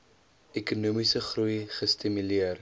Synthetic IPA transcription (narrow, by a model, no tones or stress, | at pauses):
ɛkunuːmisəχrujχəstimyliər